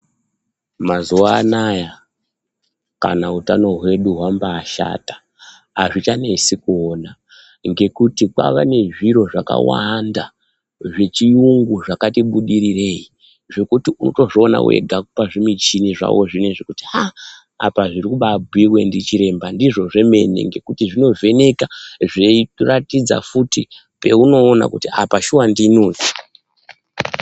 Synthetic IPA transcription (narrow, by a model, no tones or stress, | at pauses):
mazuaːnaja | ka̰nautano̞ɦwe̞ɗuɦwambaːʃa̰tḁ | aʐit͡ʃane̞sikuona | ŋɡe̞kutikwa̰ʋane̞ʐiɾo̞ʐaka̰wanda | ʐe̞t͡ʃiuŋɡuʐakatiɓuɗiɾire̞i | ʐo̞kutiunoto̞ʐoona̰we̞̰ɡʱakupaʐimit͡ʃiniʐa̰wo̞ʐineʐekutia | apaʐiɾikuɓabʱwirwe̞ndit͡ʃiɾe̞mbandiʐo̞ʐe̞me̞nḛŋɡe̞kutiʐino̞ve̞ne̞kaʐeiratid͡za̰futi | pe̞uno̞ːna̰kutiapaʃuwandiːnoːd͡zi̥